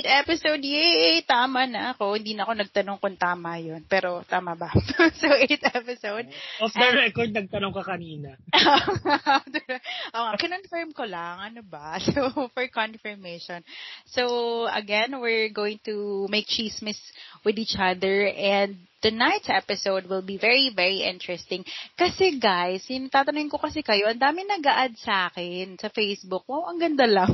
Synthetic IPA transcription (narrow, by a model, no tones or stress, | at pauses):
t̪ɛpɪsowd̪̚jɛʔt̪aːmɐnɐkohɪ̃nd̪iːnɐʔɐko̞nɐɡ̚t̪ɐnoŋkont̪aːmɐjonpɛːɾo̞t̪aːmɐbɐsowʔet̪̚ɛpɪsowd̪̚ɔfd̪ɐɹɛkɔɹd̪̚nɐɡ̚t̪ɐnoŋkɐkɐniːnɐoad̪ɛʔoːŋakɪnonfɛɹmkolɐŋʔɐnobasowfɔɹkɔnfɛɹmeʃɔnsowɐ̰ɡɛ̃nwɪɹɡowɪ̃ŋt̪umejk̚t͡ʃismɪswɪd̪iːt͡ʃʔɐðəɹʔɛ̃nd̪̚ | t̪unajt̪sʔɛpɪsowd̪̚wɪlbivɛɹivɛɹiʔɪ̰̃nt̪ɹɛst̪ɪ̃ŋkɐsɛɡajsɪnɐt̪aːt̪ɐnʊɪnkokɐsɛkɐjo̞ʔɐnd̪aːmɪŋnɐɡɐʔad̪̚sɐʔaːkɛnsɐfejsbʊk̚wɐwʔɐŋɡɐnd̪alɐŋ